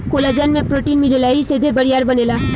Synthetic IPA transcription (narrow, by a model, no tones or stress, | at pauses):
kolad͡ʒaːnmẽpɾoːʈiːnmiɽelaised̪ʱebəɽijaːɾbənela